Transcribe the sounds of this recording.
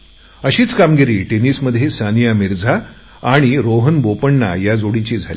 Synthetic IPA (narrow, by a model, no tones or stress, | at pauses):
əɕiːt͡skamɡiɾiːʈeniːsməd̪ʱjesanijamiɾd͡zʱaː | ɽ̃iɾoɦənbopəɳːa̰jad͡zoɽit͡ɕiːd͡zʱali